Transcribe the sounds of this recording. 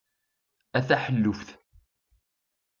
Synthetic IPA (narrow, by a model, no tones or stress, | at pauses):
æθæħəlːʊfθ